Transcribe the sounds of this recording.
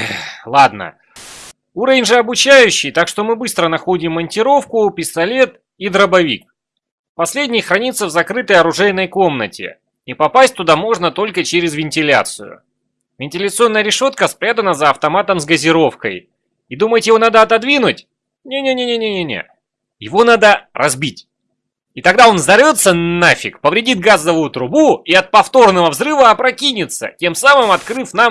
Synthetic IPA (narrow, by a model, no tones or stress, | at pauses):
lˠad̪nə̰ | uɾəvʲɪnʲʐɨɐbʊt͡ɕæjʉɕːɪjt̪akʂt̪o̞mɨbɨst̪ɾənɐxo̞dʲɪmːənʲtʲɪɾo̞fkʊːpʲɪst̪ɐlʲe̞t̪ | id̪ɾəbɐvʲḭk̚ | pɐsʲlʲedʲnʲɪjxɾɐnʲit̪səvzɐkɾɨt̪əjɐɾʊʐɛjnəjko̞mnətʲɪ̰ | ipɐpasʲt̚ʲt̪ʊd̪amo̞ʐnət̪o̞lʲkət͡ɕeɾʲɪzvʲɪnʲtʲɪlʲa̰t̪sɨjʊ̰ | vʲɪnʲtʲɪlʲət̪sɨo̞nːəjəɾʲɪʂo̞t̪kəspɾʲad̪ənəzəːft̪ɐmat̪əmzɡəzʲɪɾo̞fkəj | id̪uməjɪt̪jɪvo̞nad̪əɐt̪ɐd̪vʲinʊtʲ | nʲenʲenʲe̞nʲenʲenʲenʲḛ | jɪvo̞nad̪ərʔɐzbʲitʲ | it̪ɐɡd̪ao̞nzɐrvʲo̞t̪sːənafʲɪ̰kpəvɾʲɪdʲit̪̚ɡazəvʊjʊt̪ɾʊbuiɐt̪̚pɐft̪o̞rnəvəvzɾɨvəːpɾɐkʲinʲɪt̪sə̰tʲe̞msamɨmɐt̪kɾɨfnam